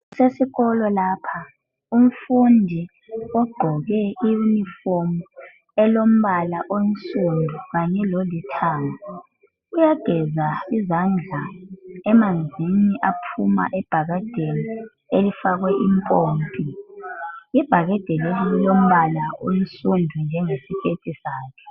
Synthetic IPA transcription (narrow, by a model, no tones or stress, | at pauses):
sesiɣɔlɔlaːpʰa | um̩fundʱi | ɔɡ͡ǃʱɔɣɛiunifomu | ɛlom̩βalaʔont͡sʼundʱuɣaɲɛlolitʰaːŋɔ | ujaɡ̥ʱɛzaizand͡ɮʱaɛmand͡zʱiniʔapʰuma̰ʔɛb̥ʱaɣad̥ʱeli | elifaɣwɛʔimpʼoːmpʼi | ib̥ʱaɣad̥ʱɛlɛlom̩βalao̰n̩sundʱund͡ʒʱɛŋesikʰetʼisaːkʰɛ̥